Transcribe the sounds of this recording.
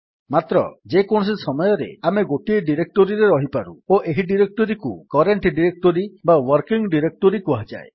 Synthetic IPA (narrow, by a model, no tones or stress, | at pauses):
mat̪ɾɔ̰d͡ʒekoɽ̃ɔs̬isɔmɔjɔɾḛameɡoʈieɖiɾek̚ʈoɾiɾeɾɔɦipaɾṵoʔeɦiɖiɾek̚ʈoɾikukɔɾeɳʈɖiɾek̚ʈɔɾibawɔɾkiŋɡɖiɾek̚ʈoɾikuɦad͡ʒa̰e